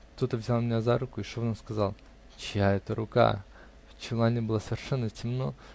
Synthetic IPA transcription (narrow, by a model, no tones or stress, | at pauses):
kt̪o̞t̪əvzʲalˠmʲɪnʲazaɾukʊiʂononskɐzɑlˠ | t͡ɕɪjaɛt̪əɾʊka̰ | t͡ɕɪlˠanʲɪbɨlˠasəvʲɪrʂɛnːətʲɪmno